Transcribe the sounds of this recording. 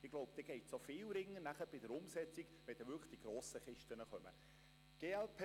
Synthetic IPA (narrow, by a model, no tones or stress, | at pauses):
ɪɡ̥loʊbd̥̪ɛːɡ̥ɛɪtsofɪːlɾɪŋːənæχəb̥ɪdəɾʊmsɛt͡siɡʋɛd̥ɛʋʏɾkʰəχd̥iɡ̥ɾoːsəχɪʃtənəχœmə̰ | ɡ̥eːɛlpʰ